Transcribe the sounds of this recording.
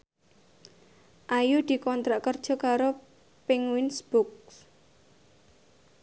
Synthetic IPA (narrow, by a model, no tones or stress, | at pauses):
ʔajud̪̥i̤kɔnt̪ɾaʔkərd̥ʒ̥ɔ̤kaɾo | pɪŋwinsb̥uks